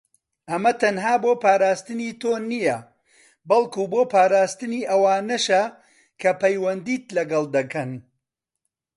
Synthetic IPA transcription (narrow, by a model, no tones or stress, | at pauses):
ʔɐmɐt̪ɐnɦaːboːpaːɾaːst̪ɨniːt̪oːnijɐ | bɐlˠkuːboːpʰaːɾaːst̪ɨniːʔɐwaːnɐʃɐ | kʰɐpɐjwɐnd̪iːt̪lɐɡɐlˠd̪ɐkɐn